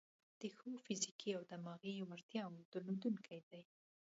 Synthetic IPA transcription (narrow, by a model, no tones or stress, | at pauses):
d̪̥əxəfɪzikʰiawd̪əmɑɣiwaɾt̪jɑwd̪̥əlod̪uŋkʰajd̪aj